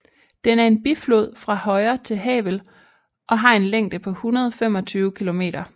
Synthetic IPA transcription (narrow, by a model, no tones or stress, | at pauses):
d̥enæɐe̝nb̥iflo̝ð̞̰ˠfʁɑ̈hɒ̽ɪɐt͡sʰe̝lɦɛ̰ːʋ̥əl | ʔɒ̽ɦɑ̈e̝nleŋ̰d̥əpʰɒ̽hunɐð̞ˠɒfem̰ɒ̽t͡sʰyːʊkʰilo̝me̝̰ːd̥ɐ